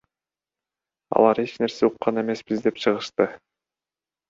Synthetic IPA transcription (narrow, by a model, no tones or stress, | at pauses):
ɑ̰lˠɑɾe̞t͡ʃne̞ɾseuqːɑne̞me̞sbizd̪e̞pt͡ʃʰɯʁɯʃt̪ɯ